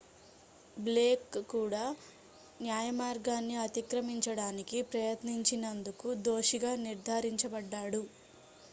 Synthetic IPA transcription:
bleːkːuːɽaː | njaːjɐmaːɾɡaːnːiɐt̪ikɾɐmiɲt͡ʃɐɽaːnikipɾɐjɐt̪niɲt͡ʃinɐnd̪ukud̪o̞ːʂiɡaːniɾd̪ʱaːɾiɲt͡ʃɐbɐɖːaːɽu

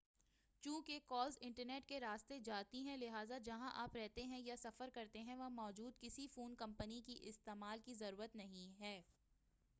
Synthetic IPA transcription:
t͡ʃũːkekɔːlzɪ̃ɳʈəɾneːʈkeɾaːst̪ed͡ʒaːt̪iɦɛ̃lɪɦaːzad͡ʒɐɦãʔaːpɾɛɦt̪eɦɛ̃jasɐfəɾkɐɾt̪eɦɛ̃ʋɐmɔːd͡ʒuːd̪̚kɪsifuːnkɐ̃mpənikiʔɪst̪eːmaːlkizɐɾuːɾət̪nɐɦĩɦɛː

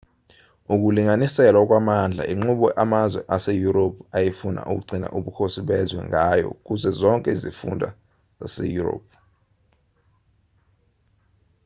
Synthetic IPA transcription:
uk̬uliŋanisɛlwak̬ʼwamand͡ɮʱa̰ʔiŋ͡ǃuɓɔʔamazwɛʔasejuɾopʰajifuna̰ʔuk̬uɡ͡ǀʱina̰ʔuɓukʰosiɓɛzwɛ̰ŋajɔ̰k̬uzɛzɔŋkʼɛizifṵndʱa̰ | z̥asḛjuro̰ːp̚ʰ

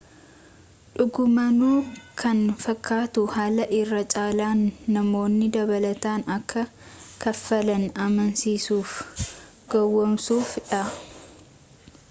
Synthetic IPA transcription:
ᶑʊɡʊmɐnuːkʰɐnfɐkːaːt̪ʊhaːlɐʔɪrːɐt͡ʃʼaːlaːnːɐmo̞ːnːɪd̪ɐβɐlɐt̪aːnɐkːɐkɐfːɐlɐnɐmɐnsiːsuːf | ɡɐwːɔmsuːfᶑɐ

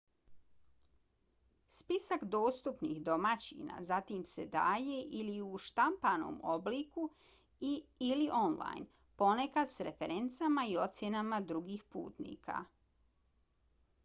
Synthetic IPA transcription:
spisakd̪o̞ːst̪upnḭxd̪o̞mat͡ɕḭna̰zat̪imse̞d̪aːje̞ʔiliuʃt̪ampano̰ːmo̞bliku | iliʔo̞nla̰jn | po̞nekad̪sɾefeɾe̞nt̪samaio̞t̪sje̞namad̪ɾuɡixpṵːt̪nḭːkʰa̰

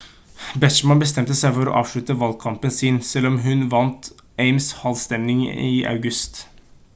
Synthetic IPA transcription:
bɛʂmɑnbəst̪ɛmt̪əsæɪfɔɾo̰ʔɑːʋʂɭʉt̪əʋɑlkʰɑmpənsɪnsɛlːɔmɦʉnʋɑnt̪eɪmshɑlst̪ɛnɪŋɪʔɑ̰ʉɡʉst̪

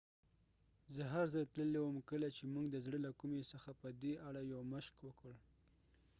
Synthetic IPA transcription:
zəɦaɾzajt̪ləlewəmkəlat͡ʃemuŋɡd̪əzɽəlakumesəxapəd̪eʔaɽajawməʃkwəkəɽ

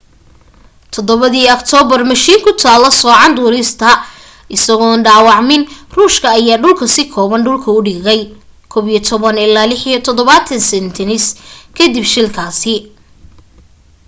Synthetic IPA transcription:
t̪ʰɔd̪ɔβɐðiːɔkt̪ʰɔːβɐrmɐʃiːŋkʰʊt̪ʰaːlɔsɔːʕɑnd̪uːɾɪst̪ʰɐ | ʔɪsɐɣɔːnɖaːwɑʕmɪnruːʃkʰɐːjaːɖʊlkʰɐsɪkʰɔːβɐnɖʊlkʰɐʊɖiːɣɛj | kʰɔːbiːjɔt̪ʰɔβɐnɪlːaːlɪħijɔt̪ʰɔðɔβat̪ʰɐnsɛnt̪ʰɪnɪskʰɐd̪ɪbʃɪlkʰaːsɪ

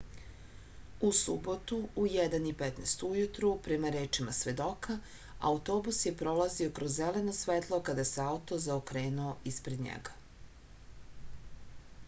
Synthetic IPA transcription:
usubo̞t̪uujɛd̪anipet̪nest̪ujut̪ɾupɾemaɾeːt͡ʃimasʋe̞d̪o̞kʰa | a̰ut̪oːbusje̞pɾo̞lˠazio̞kɾozːeleno̞sʋet̪lˠo̞kad̪ajseaut̪o̞zaokɾeːnuoʔispɾe̞d̪ɲḛɡa

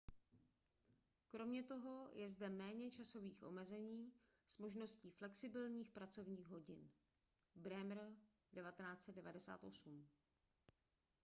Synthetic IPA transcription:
kɾo̞mɲɛt̪o̞ɦo̞jʔɛzdɛmɛːɲɛt͡ʃaso̞viːxʔo̞̰mɛzɛɲiː | smo̞ʒno̞sciːflɛksɪbɪlɲiːxpɾat͡so̞vɲiːɣɦo̞ɟɪn | bɾɛmɾ | dɛvat̪ɛnaːt͡sɛd̪dɛvadɛsa̰ːt̪ʔo̞sum

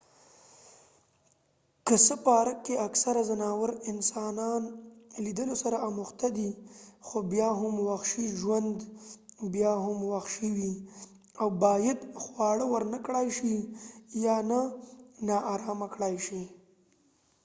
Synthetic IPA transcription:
kəsəpɑːɾakːeaksaɾazanɑwəɾɪnsɑnɑnlid̪əlosaɾaːmʊxt̪ad̪ixobjɑɦʊmwaxʃiʒwand̪bjɑɦʊmwaxʃiwi | awbɑjad̪xwɑɽəwəɾnakɽɑjʃijɑnanɑʔːɾɑmakɽɑjʃi

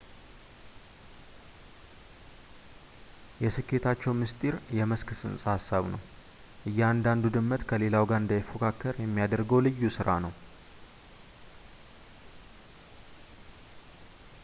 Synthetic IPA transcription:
jɛsɨkʰːe̞t̪ʰat͡ʃːɛwmɨst̪ʼiɾjɛməskʰɨsɨ̰nsʼhasːaβnə̰w | ʔɨjːɛand̪and̪ud̪ɨmːət̪kʰəle̞lawɡand̪əjfokʰakʰːəɾjɛmːijad̪əɾɡəwlɨjːusɨɾanəw

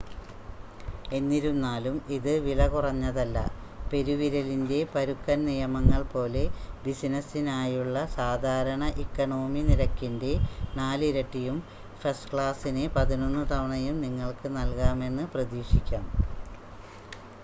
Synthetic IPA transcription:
e̞nːiɾunːaːlumiðɨʋilɐkurɐɲːɐðɐlːɐ̰ | pe̞ɾuʋiɾɐlinde̞pɐɾukːɐnnijɐmɐŋːɐɭpo̞ːle̞bisinɐsinaːjuɭːɐsaːd̪ʱaːɾɐɳɐʔikːɐɳo̞ːminiɾɐkːinde̞naːlɾɐʈːijum | fɐstkɭaːsinepɐðino̞nːɨt̪ɐʋɐɳɐjumniŋːɐɭkɨnɐlkaːme̞nːɨprɐðiːʂikʲːaːm

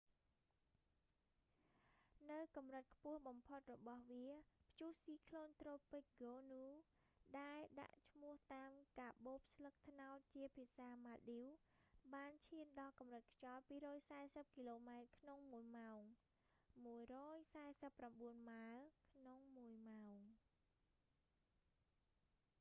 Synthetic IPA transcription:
nɨwkɑmrɨt̪̚kʰpʊ̆əhɓɑmpʰot̪̚rɔɓɑhʋiəpʰt͡ɕuəhsiːkʰloːnt̪roːpɨc̚ɡoːnuː | ɗaɛlɗa̰ʔt͡ɕʰmʊ̆əht̪aːmkaːɓoːp̚slək̚t̪ʰnaɔt̪̚t͡ɕiəpʰiəsaːmaːɗiwɓaːnt͡ɕʰiənɗɑlkɑmrɨt̪̚kʰt͡ɕɑlpiːɾɔːjsaɛsəp̚kiloːmaɛt̪̚kʰnoŋmuəjmaɔŋ | muəjrɔːjsaɛsəpːramɓuənmalkʰnoŋmuəjmaɔŋ

